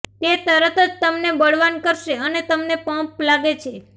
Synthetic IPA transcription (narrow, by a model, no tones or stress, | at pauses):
t̪et̪əɾət̪əd͡ʒt̪əmnebəɽ̤ʋankəɾʃeənet̪əmnepə̃plaɡet͡ʃʰe